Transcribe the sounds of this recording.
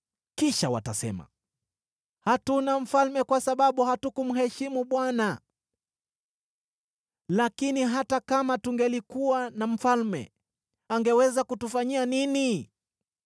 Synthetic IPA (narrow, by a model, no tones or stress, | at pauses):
kiʃawa̰tasɛ̰ma̰ | hatunam̩falmɛkwasaɓaɓuhatukum̩ɦɛʃimuɓwana | lakiniɦatakamatuŋɡɛlikuwanam̩falmɛ̰ | aŋɡɛwɛzakutufaɲianini